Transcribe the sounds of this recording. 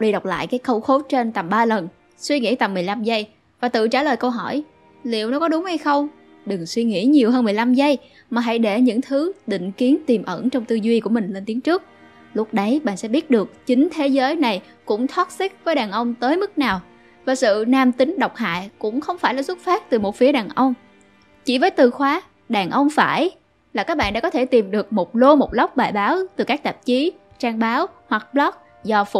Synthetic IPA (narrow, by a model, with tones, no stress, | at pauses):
ɗi˧ɗa˨˩wk͡p̚la̰ː˧˨jkaː˨˦jxə˧wxo˨˦t͡ɕe˧nt̪a˨˩mɓaː˧lə˨˩n | swi˧ŋḭ˧˥t̪a˨˩mː˨˩əjla˧mzə˧j | vaː˨˩t̪ɨ̰˧˨t͡ɕaː˧˩ləː˨˩jkə˧wɦɔ˧˩j | lḭ˧˨əwnɔ˨˦kɔ˨˦ɗʊ˨˦ŋ͡mha˧jxə˧wŋ͡m | ɗɨ˨˩ŋswi˧ŋḭ˧˥ɲi˨˩əwɦəː˧nm˨˩əjla˧mzə˧j | maː˨˩ɦa̰˧˥jɗe˧˩ɲɨ̰˧˥ŋt̪ʰɨ˨˦ɗ̪ḭ̈˧˨ŋ̟ki˨˦ənt̪i˨˩mʔə˧˩ŋt͡ɕɔ˧wŋ͡mt̪ɨ˧zwi˧ku˧˩əmï˨˩ŋ̟le˧nt̪i˨˦ŋt͡ɕɨ˦˥ək̚ | lʊ˦˥k͡p̚ɗə˨˦jɓa̰ː˨nsɛ̰˧˥ɓi˦˥ət̚ɗɨ˨˩ək̚t͡ɕï˨˦ŋ̟t̪ʰe˨˦zəː˨˦jna˨˩j | kʊ̰˧˥ŋ͡mt̪ʰɔː˦˥t̚si˦˥k̚vəː˨˦jɗaː˨˩ŋʔə˧wŋ͡mt̪əː˨˦jmɨ˦˥k̚naː˨˩w | vaː˨˩sɨ̰˧˨naː˧mt̪ï˨˦ŋ̟ɗə˨˩wk͡p̚ha̰ː˧˨jkʊ̰˧˥ŋ͡mxə˧wŋ͡mfaː˧˩jlaː˨˩sʊ˦˥t̚faː˦˥t̚t̪ɨ˨˩mo˨˩fi˨˦əɗaː˨˩ŋʔə˧wŋ͡m | t͡ɕi˧˩vəː˨˦jt̪ɨ˨˩xwaː˨˦ | ɗaː˨˩ŋʔə˧wŋ͡mfaː˧˩j | laː˨˩kaː˦˥k̚ɓa̰˧˨nɗa̰ː˧˥kɔ˨˦t̪ʰe˧˩t̪i˨˩mɗɨ˨˩ək̚mo˨˩t̚lo˧mo˨˩t̚lə˦˥wk͡p̚ɓaː˨˩jɓaː˨˦wt̪ɨ˨˩kaː˦˥k̚t̪a˨˩p̚t͡ɕi˨˦ | t͡ɕaː˧ŋɓaː˨˦whwa˨˩k̚ɓlɔ˦˥k̚ | zɔ˧fʊ˨˧˩